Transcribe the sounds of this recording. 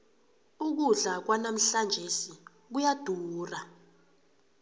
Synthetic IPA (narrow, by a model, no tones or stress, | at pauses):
uk̬uɮak̬wanam̩ɬand͡ʒʱesi | k̬ujad̥ʱuːra